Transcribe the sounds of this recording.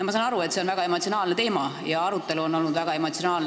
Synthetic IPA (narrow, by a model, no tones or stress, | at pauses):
mɑs̬ɑnɑɾue̞t̪se̞o̞nvæɡɑe̞mot̪sionɑːlnet̪e̞ːmɑjɑɑɾut̪ːˑe̞luo̞nːo̞lnud̪væɡ̥ɑe̞mo̞t̪sionɑːln